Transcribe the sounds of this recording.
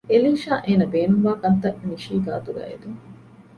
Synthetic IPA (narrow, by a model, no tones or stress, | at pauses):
elinʃaːʔeːnɐbeːnumʋaːkɐnt̪ɐʔniʃiːɡa̰ːt̪uɡæ̰ːʔḛd̪uŋ